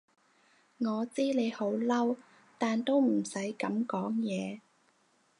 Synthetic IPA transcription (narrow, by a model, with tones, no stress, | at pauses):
ŋɔː˨˧t͡siː˥ne˨˧jho˨˥wlɐ˥w | t̪aː˨nt̪o˥wm̩˨˩sɐ˨˥jkɐ˨˥mkɔː˨˥ŋjɛː˨˧